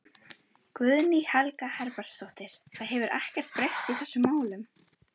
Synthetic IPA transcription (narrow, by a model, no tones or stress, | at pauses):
kvʏðnihalkahɛɾpaɾ̥st̪oht̪ɪɾ̥θaðɦɛvʏɾʔa̰hcɛr̥t̪̚pɾejst̪iθɛsːʏmːaːwlʏm